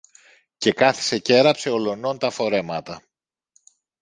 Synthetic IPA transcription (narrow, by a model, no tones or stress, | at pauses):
ce̞kɐθi̥se̞ce̞ɾɐpse̞o̞lo̞no̞nt̪ɐfo̞ɾe̞mɐt̪ɐ